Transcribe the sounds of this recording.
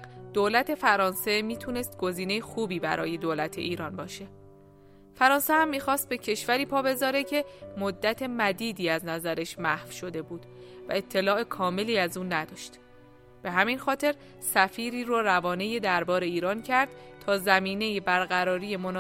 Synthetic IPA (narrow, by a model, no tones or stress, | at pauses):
d̪̥oːlæt̪ʰe̞fæɾɒːnse̞miːt̪ʰuːne̞st̪̚ɡo̞ziːne̞jexuːbiːbæ̰ɾʔɒːje̞d̪olæt̪ʰe̞̰ʔiːɾɒːnbɒːʃe̞ | fæɾɒːnsehæmːiːxɒːst̪̚be̞cʰe̞ʃvæɾiːpʰɒːbe̞zɒːɾe̞cʰe̞mod̪ːæt̪ʰe̞mæd̪iːd̪iːæznæzæɾeʃmæhfʃo̞d̪e̞buːd̪̥væ̰e̞t̪ʰːe̞lɒːe̞kʰɒːme̞liːæzuːnæd̪ɒːʃt̪ | b̥e̞ɦæminxɒːt̪ʰe̞ɾ | sæfiːɾiːɾorævɒːnejed̪æɾbɒːɾe̞iːɾɒːncʰæɾd̪̥t̪ʰɒːzæmiːne̞jibæɾɣæɾɒːɾiːjemon